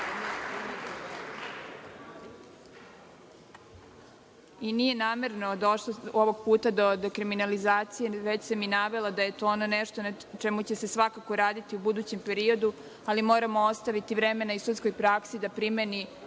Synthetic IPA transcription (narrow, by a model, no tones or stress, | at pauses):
inije̞naːme̞ɾnod̪o̞ʃlooʋoɡ̚puːt̪ad̪o̞d̪ekɾiminalizaːt̪sijeʋe̞t͡ɕsaminaʋe̞lad̪ajet̪oononeʃt̪ona | t͡ʃemut͡ɕe̞se̞sʋakakoɾaːd̪it̪iubud̪uːt͡ɕe̞mpe̞ɾio̞d̪u | alimo̞ːɾamoost̪aʋit̪iʋɾeme̞naisut̪sko̞jpɾaksid̪apɾimeni